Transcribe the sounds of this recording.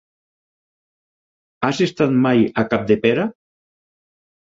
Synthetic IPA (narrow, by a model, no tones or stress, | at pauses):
asest̪at̪majakap̚d̪epeɾa